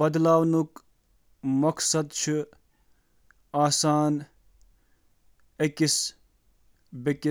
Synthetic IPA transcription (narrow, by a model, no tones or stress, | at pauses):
bɐd̪laːwnuk | mɐksɐd̪t͡ʃʰi | aːsaːn | ekis | beki